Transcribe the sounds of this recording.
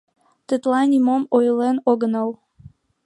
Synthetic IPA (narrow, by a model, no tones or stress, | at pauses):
t̪ɨt̪lˠɑnʲimomojlenoɡnəw